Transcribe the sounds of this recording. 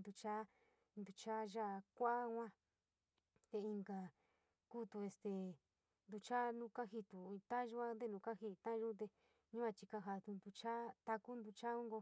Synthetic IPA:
nd̪u˧t͡ʃa˦ | nd̪u˧t͡ʃa˦ʒa˦˧˨kʷa˦hʷã˦ | t̪e˧i˧ŋɡa˨ | kuː˦t̪u˧e˧st̪e˨ | nd̪u˧t͡ʃa˦nũ˦ka˦ɦi˧t̪u˨i˧t̪ã˦ʒu˦a˦nd̪e˦˧nũ˧ka˦ɦi˧t̪ã˦˧ʒu˦t̪̬e˧ | ɲũ˦a˧t͡ʃi˧ka˧ɦa˧t̪u˧nd̪u˧t͡ʃa˦t̪a˧ku˦nd̪u˧t͡ʃa˦ũ˦ŋɡo˧

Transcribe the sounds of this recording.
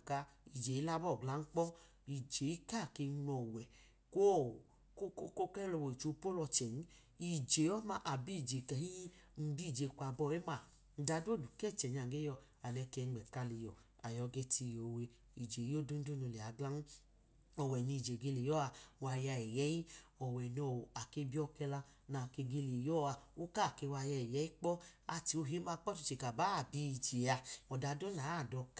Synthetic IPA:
ka˧i˨d͡ʒe˨ji˦la˦bɔ˦˨ɡla˨˦n̩˦k͡pɔ˦ | i˨d͡ʒe˨i˦ka˦˨ke˧˦nɔ˨wɛ˨ | ko˦˨ | ko˦ko˦ko˦kɛ˦ɾɛ˧˨wɔ˨i˨t͡ʃo˨˦po˦lɔ˧t͡ʃɛ˨n˦ | i˨d͡ʒe˨ɔ˦ma˧ʔa˨bi˦˨d͡ʒe˨kɛ˨hi˦m̩˦bi˦˨d͡ʒe˨kʷa˨bɔ˧˨e˦ma˨ | n̩˦da˧˦do˦˨du˨kɛ˦˨t͡ʃɛ˨ɲ˦a˨ɡe˦jɔ˧˨ | a˨lɛ˧kɛ˧˦˨ɡ͡bɛ˨ka˧li˧jɔ̰˨ | a˨jɔ˧˦ɡe˧ti˧˨jo˨we˧ | i˨d͡ʒe˨jo˦do˦n̩˦do˦no˧˨le˨a˨˦ɡla˦nu˦ | ɔ˨wɛ˨ni˧˨d͡ʒe˨ɡe˧le˨jɔ˦a˧˦wa˧ja˧ɛ˨jɛ˨˦ji˦ɔ˨wɛ˨nɔ˧˨a˨ke˧bi˦ɔ˧kɛ˧la˧ | na˨ke˧ɡe˧le˨jɔ˦˨a˧o˦ka˦˨ke˧wa˧ja˧ɛ˨jɛ˦i˦k͡pɔ˦a˧ti˧o˧ɦe˦ba˧˦k͡pɔ˦ti̥˧˨t͡ʃe˨ka˨ba˨˦˨bi˧˨d͡ʒe˨a˧ɔ˨da˧do˦na˨˦˨dɔ˧k

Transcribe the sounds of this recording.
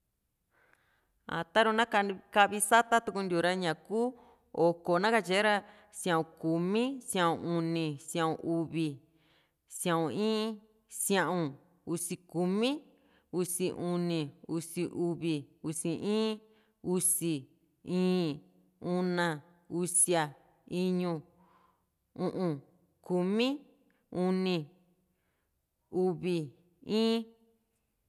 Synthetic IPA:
a̰˨t̪a˦ɾo˧nã˦ka˧ka˦ʔβi˧sa˦t̪a˦t̪u˧ku˧nd̪ʲu˨ɾa˧ɲã˨kuː˦ | o˨ko˨nã˦ka˧t͡ʃe˧˦ɾa˧ | sj̃ã˧˨ʔũ˨ku˨mĩ˦sjã˧ʔũ˧˨u˧nĩ˧sjã˧˨ũ˧ʔu˧βi˨ | sj̃ã˧ũ˧˨ĩː˦ | sj̃ã˧ʔũ˧ | u˧si˧ku˨mĩ˦ | u˧si˧ʔu˧nĩ˧u˧si˧ʔu˧βi˧u˧si˧˨ʔĩː˦ | u˧si˧ | ĩː˦ | ũ˦˧nã˧ | u˧sja˧ | i˦ɲũ˧ | ũ˧ʔũ˧ | ku˧mĩ˦ | u˧nĩ˧ | u˧βi˧ | ĩː˦

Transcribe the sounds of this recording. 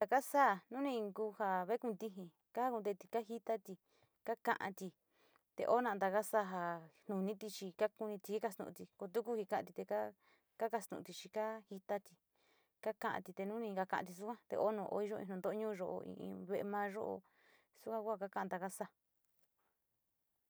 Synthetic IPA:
a˧ka˦sa˦˨nũ˦nĩ˧ŋku˧ha˧βe˦kũ˧nd̪i˧ɦĩ˧ | ka˦a˦ku˧d̪e˧t̪i˧ka˦ɦi˦t̪a˦t̪i˧ | ka˦kã˧ʔã̰˧t̪i˧ | t̪ḛ˧ʔo˦nã˧˨˧d̪a˧ka˦sa˦˨ɦa˧nũ˨nĩ˦t̪i˧t͡ʃi˧ka˦ku˧nĩ˧t̪i˧i˦ka˧st̪ṵ̃˧t̪i˧ko˧t̪̬u˦ku˦hi˧kã˧ã˧t̪i˧t̪e˧ka˦ | ka˦ka˧st̪ṵ̃˧˨˧t̪i˧t͡ʃi˧ka˦hi˧t̪a˦t̪i˧ | ka˦kã˦ʔã̰˧t̪i˧t̪e˧nũ˦nĩ˧ka˧kã̰˧ã̰˧t̪i˧s̬u˦kʷã˦t̪ḛ˧ʔo˦nũ˧˨ʔo̰˧˦i˧ʒo˦˧ĩ˧˨nũ˧nd̪o˦ɲũː˦˧ʒo˧ʔo̰˧ḭ̃˧ʔḭ̃˧βe˧e˧mãː˦ʒo̰˦ʔo̰˧ | su˦kʷã˦ku˦ha˧ka˦kã˦ã˧d̪a˧ka˦sa˦˧˨

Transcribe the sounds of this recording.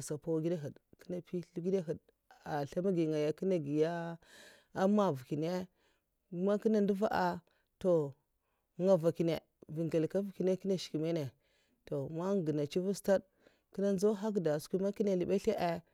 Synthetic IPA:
sa˨pa˦wɡi˦de˦ɦə˨dkə̥˦na˨pi˦ɬu˦ɡi˦de˦ɦu˨d | a˨ɬa˦ma˦ɡi˨ŋa˨ja˨ki˦na˨ɡi˨ja˦ | a˦ma˦vu˨ki˨ne˦ | ma˦ki˦na˦ndu˦va˦ʔa˨ | to˨˦ | ŋa˨va˨ki˨ne˨ | vi˨ŋɡe˨lka˦vu˨ki˨ne˦ki˦na˦˨ʃi̥˨ki˨me˦ne˨ | to˨ma˦ŋ˨ɡə˨na˨t͡ʃi˦vu˦sta˦d | ki˦na˦n˦zo˦ɦa˦k̬da˨skʷi˦ma˦ki˦ne˨li˨ɓe˦ɬe˦ʔe˦

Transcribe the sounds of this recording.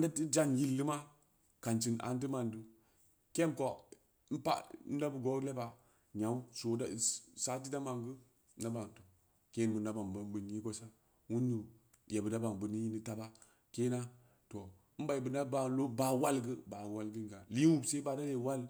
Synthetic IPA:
nda˦ti˦d͡ʒa˦ŋji˦lːɨ˦ma˦ | ka˨nt͡ʃi˨nʔa̰˨n˦t̬i˦ma˨ndu˦ | ke˦mko˨˦ | n̩˦pa̰˦n̩˦da˦bə˨ɡo˨˦le˦ba˨ | ɲa˨˦u˦so˨da˦˨sa˨t̬i˦da˦ma˨ŋɡə˦ | na˦ba˨ŋto˨ | ke˦n˨bu˨na˦ba˨ŋba˨n˦bə˨ni˦ɡo˦sa˦ | wu˦nːu˨ | je˨bə˨da˦ba˨ŋbɨ˨ni˦ji˦ni˨ta˦ba˦ | ke˦na˦ | to˨˦ | m̩˦ba˨i˨bə˨na˦ba˨lo˦ba˨wa˦lɡə˦ba˨wa˦lɡi˦n˨ɡa˨li˦wu˦˨bse˦ba˨da˦je˨wa˦l

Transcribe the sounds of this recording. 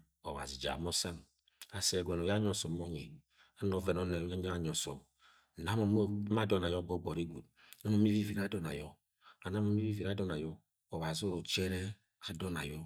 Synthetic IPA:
ɔ̰˨wa̰˨zi˨d͡ʒa̰˨mɔ˦sa˦n | a˨sɛ˨ɡʷɛ˨no˨ja˦ɲɔ˦sɔ˨mɔ˦ɲḛ˨ | a˦nɔ˦vɛ˨nɔ˦nɛ˨a˦ɲa˦a˨ɲɔ˨sɔ̰˨m˨ | na˦mɔ˨˦ma˦dɔ˦na˨jɔ˦bo˦bɔ˨ɾi˦ɡʷu˨t̚ | na˦mo˨˦m˦i˦vi˦vi˨ɾa˦dɔ˦na̰˨jɔ˦ | a˨na˦mo˨˦m˦i˦vi˦vi˨ɾa˦dɔ˦na˨jɔ˦ | ɔ˨wa˨zi˦o˦ɾo˨t͡ʃɛ˦ɾɛ˦ | a˨dɔ˦na̰˨jɔ˦

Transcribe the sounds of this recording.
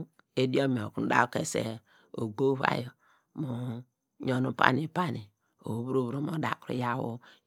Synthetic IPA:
e˦di˦o˦mi˨o˨ku˨˦da̰˦o˦ke˦sḛ˨ | o˨ɡo˦βa̰˦jo˨ | mo˨ | ɲo˦nu˨pa̰˦ni˦˨pa˦ni˨ | o˨βu˦ɾo˦βu˨ɾo˨mo˨da˨kɾṵ˨ja˦˨wo̰˦

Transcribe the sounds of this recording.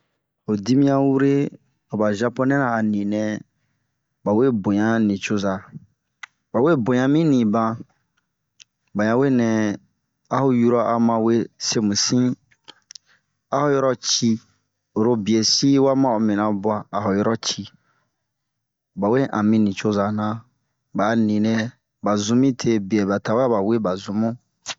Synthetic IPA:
o˨di˦mĩ˦ã˦wu˦ɾe˦ | o˨ba˨ʒa˦pɔ˦nɛ̃˦nãː˨nĩ˨nɛ̃˨ | ba˨we˦bõ˨ɲã˦nĩ˨t͡ʃo˦za˨ | ba˨we˦bõ˨ɲã˨mĩ˦nĩ˨bã˧ | ba˨ɲã˨we˦˨nɛ̃˨ | a˦ho˦ju˦ɾɔ˦ʔa˨mã˨we˦se˦mũ˨sĩ˦ | a˦ho˦jɔ˦ɾɔ˦t͡ʃi˦ | o˨ɾo˦bi˨e˨si˦wa˦mã˦o˨mĩ˨nã˨bʊ˦a˨a˨ho˨jɔ˦ɾɔ˦t͡ʃi˦ | ba˨we˦ʔã˨mĩ˦nĩ˨t͡ʃo˦za˨nã˦ | ba˨˦nĩ˨nɛ̃˦ | ba˨zũ˧˦mĩ˦tʰe˦bi˨ɛ˨ba˨ta˨wba˨we˦ba˨zũ˨mũ˦

